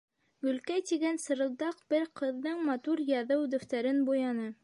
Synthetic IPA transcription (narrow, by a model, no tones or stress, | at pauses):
ɡɵ̆lkæjt̪iɡænsɤ̆ɾɤ̆lˠd̪ɑqbɘɾqɤ̆ðːɤɴmɑt̪uɾjɑðɤwd̪ɵ̆ft̪æɾɘnbujɑnɤ